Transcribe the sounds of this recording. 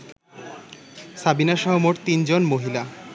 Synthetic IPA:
sabinaʃɔɦomoʈt̪ind͡ʑonmoɦila

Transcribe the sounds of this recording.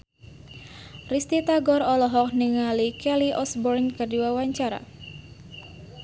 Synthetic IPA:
rist̪it̪aɡɔɾɔlɔɦɔk̚niŋalikɛliʔɔsbɔrnkardiwawaɲt͡ʃaɾa̰

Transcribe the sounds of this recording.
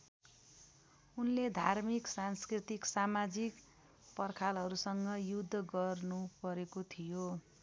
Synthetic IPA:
unled̪ʱarmiksanskrit̪iksamad͡zik | pʌrkʰalɦʌɾusʌŋɡʌjud̪ʱːʌɡʌrnupʌɾekot̪ʰijo

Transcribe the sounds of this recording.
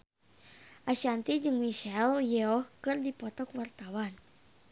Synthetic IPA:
ʔaʃant̪id͡ʒɨŋmiʃɛljɛɔhkɨrdipɔt̪ɔkwart̪awan

